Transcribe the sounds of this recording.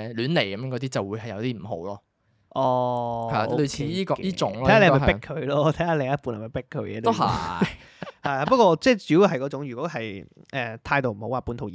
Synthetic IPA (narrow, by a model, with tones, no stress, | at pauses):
lyː˨˥nle˨˩jkɐ˨˦mː˧˥ŋkɔː˨˧˥iː˥t͡sɐ˨wuː˨˧jhɐ˨jɐ˨˧wt̪iː˥m̩˨˩ɦo̰˨˥wlɔː˧ | ʔɔː˧hla˨ʔlo˧t͡sʰiː˧iː˥kɔ˧iː˥t͡sʊ˨˥ŋlʰːe˧˨˧pɪ˥kʰːɵ˨˧ɥlɔː˥˧t̪ʰɐ˨˥jaː˨˥lɪ˨˩ŋjɐ˥t̚pu˨˧nhɐ˨˩mɐ˨˩jpɪ˥kʰːɵ˨˧ɥjɛ̰ː˨˧˥o˥ɦɐ̰˥˨ | hɐ˨jaː˨˩pɐ˥t̚kɔː˧t͡sɛː˥˩t͡siː˨˥wu˧ɦɐ˨jkɔ˨˧t͡sʊ˨˥ŋjyː˨kʷwɔː˨˥ɦɐ˨jʔɛː˨t̪ʰaː˧jt̪o˨wm̩˨˩ho˨˥waː˨˩pu˨˥t̪ʰo˨wjiː